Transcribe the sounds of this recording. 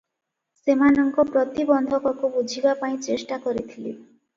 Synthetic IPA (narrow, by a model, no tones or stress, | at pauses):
semanɔŋkɔpɾɔt̪ibɔnd̪ʱɔkɔkubud͡ʒʱibapaĩt͡ʃesʈakɔɾit̪ʰilḭ